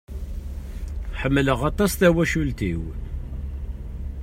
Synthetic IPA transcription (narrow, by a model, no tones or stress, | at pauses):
ħəmːələʁɑt̪ˤɑsθæwæʃult̪iw